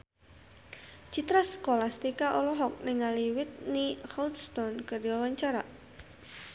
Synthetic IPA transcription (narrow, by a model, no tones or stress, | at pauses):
t͡ʃit̪ɾasə̥kolast̪ikaʔɔlɔɦɔk̚nɪŋaliwɪt̪̚nihɔlt̪st̪ɔnkəriɔwaɲt͡ʃaɾa